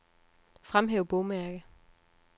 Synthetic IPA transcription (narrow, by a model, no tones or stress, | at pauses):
fʁamɦeːʊb̥ɔːmæɐɡ̥ə